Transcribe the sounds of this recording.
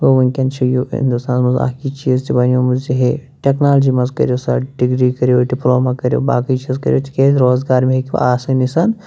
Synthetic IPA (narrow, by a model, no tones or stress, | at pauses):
ʋoʋɐŋkʲɐnt͡ʃʰɐjoːɦḭnd̪ust̪aːnmɐza̰ːkiːt͡ʃiːzt̪ibɐnjoːmɐziɦeʈeknaːld͡ʒiːmɐzkɐ̰ɾjoːsɐ̰ɖiɡɾiːkɐɾjoːɖiploːmaːkɐɾjo̰ːba̰ːkit͡ʃiːzkɐ̰ɾjoːt̪ʰi̥keːɾoːzɡaːɾmeɦekʲiʋɐ̰aːsɐnisaːn